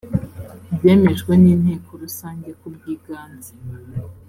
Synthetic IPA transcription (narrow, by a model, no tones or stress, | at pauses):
bje̞ːme̞ʒɡweniːn̥he̞ːko̞ɾusaːɲɟekubɡiːɡaːnzi̥